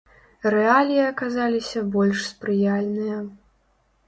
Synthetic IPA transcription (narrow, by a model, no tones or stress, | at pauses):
rɛalʲijɐɐkazalʲisʲɐbɔlʲʂspɾɨjalʲnɨjɐ